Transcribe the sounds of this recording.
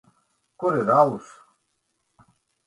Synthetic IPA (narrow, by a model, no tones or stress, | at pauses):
kuɾeɾaːus